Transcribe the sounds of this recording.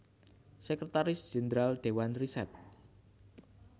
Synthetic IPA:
sɛkɾɛt̪aɾɪsd͡ʒ̥end̪ɾald̥ewanrisɛt̪̚

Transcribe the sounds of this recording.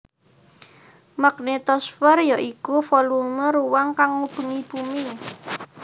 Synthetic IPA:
maɡnet̪ɔsfərjaʔikufɔluŋməɾuwaŋkaŋːupuŋipumi

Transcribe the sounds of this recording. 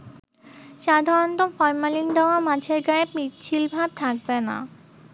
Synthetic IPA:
ʃad̪ʱaɾont̪ofɔɾmalind̪aoamat͡ɕʰeɾɡaepmit͡ɕʰilbʱab̚t̪ʰak̚bena̰

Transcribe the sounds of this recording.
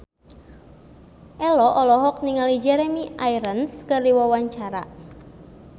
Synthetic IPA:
ʔɛlɔʔɔlɔɦɔk̚niŋalid͡ʒɛɾɛmiʔaiɾənskərdiwawaɲt͡ʃaɾa̰

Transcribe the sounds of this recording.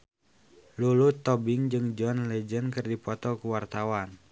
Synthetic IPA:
lulut̪ɔbɪŋd͡ʒɨŋd͡ʒɔnlɛd͡ʒənkɨrdipɔt̪ɔkuwart̪awan

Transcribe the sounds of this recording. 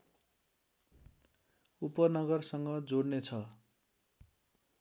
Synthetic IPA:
upʌnʌɡʌrsʌŋɡʌd͡zoɽnet͡sʰʌ

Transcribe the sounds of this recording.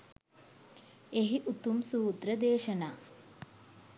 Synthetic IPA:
eɦiʔut̪umsuːd̪ɾəd̪eːʃənaː

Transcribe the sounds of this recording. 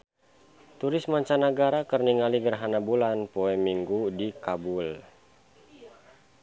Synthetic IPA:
t̪uɾɪsmaɲt͡ʃanaɡaɾakərniŋaliɡərɦanabulanpoɛmːiŋɡudikabul

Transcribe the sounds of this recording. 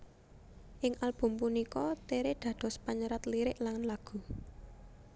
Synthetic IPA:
ʔɪŋʔalb̥ṳmpunikɔt̪eɾeɖ̪̥ä̤d̪̥ɔ̤spaɲəɾat̪liɾɪʔlaŋlaɡ̥ṳ

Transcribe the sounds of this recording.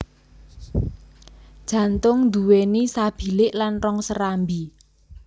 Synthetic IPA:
d̥ʒ̥ä̤nt̪ʊŋd̪uwenisab̥i̤lɪʔlanrɔŋsəɾambi

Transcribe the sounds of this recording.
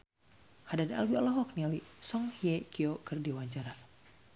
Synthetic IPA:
hadada̰lwialɔɦɔk̚nialisɔŋhiekiokɨrdiwaɲt͡ʃaɾa

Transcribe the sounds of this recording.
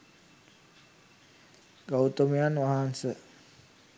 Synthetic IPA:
ɡawt̪əmijanʋaɦansə

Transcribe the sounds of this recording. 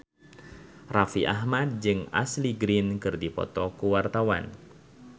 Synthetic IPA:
rafiʔa̰ɦmad̪̚d͡ʒɨŋa̰sliɡɾinkɨrdipɔ̰t̪ɔkuwart̪awa̰n

